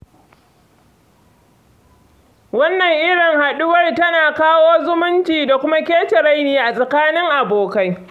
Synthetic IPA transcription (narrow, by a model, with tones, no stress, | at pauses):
wɐ˦nːɐ˨ŋʔɪ˦ɽɪ˨ŋha˨ɗʊ˦wɐ˦rtɐ˦naː˨kaː˦woː˦zʊ˦mʊ˦nt͡ʃiː˨da˨kʷʊ˦ma˦kʲeː˦tɪ˨ɾa˦jniː˨ʔa˨sʼa˨kaː˦nɪ˦ŋʔa˨boː˨ka˦j